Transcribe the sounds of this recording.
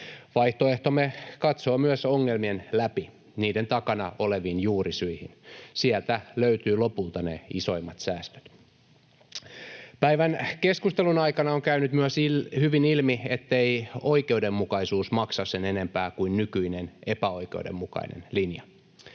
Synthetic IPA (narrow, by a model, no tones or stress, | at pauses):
ʋɑiht̪oe̞ht̪omekɑt̪soːmyøsoŋːelmienlæpi | niːde̞nt̪ɑkɑnɑo̞leʋiːnjuːrisyihinsiɛlt̪æløyt̪yːlo̞pult̪ɑnḛiso̞imːɑt̪sæːst̪ø̥t̪ | pæiʋænke̞skust̪e̞lunɑikɑnɑoŋkæynyt̪myøshyʋinilmiet̪ːeioike̞ude̞mːukɑisuːsmɑksɑssenene̞mpæːkuinnykyinene̞pæo̞ikeudḛmːukɑ̰inḛnlinjɑ